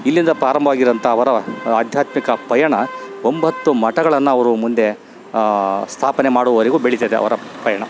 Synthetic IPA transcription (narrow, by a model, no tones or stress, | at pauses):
ilːind̪ɐpɾaːɾɐmbʱɐʋaːɡiɾɐnt̪ʰɐːʋɐɾɐaːd̪ʱjaːt̪mikɐpɐjɐɳɐombʱɐt̪ːumɐʈɐɡɐɭɐnːuɐʋɐɾumund̪e̞ | st̪ʰaːpɐne̞maːɽuʋɐʋɐɾiɡuːbeɭit̪ed̪eɐ̰ʋɐɾɐpɐjɐɳɐ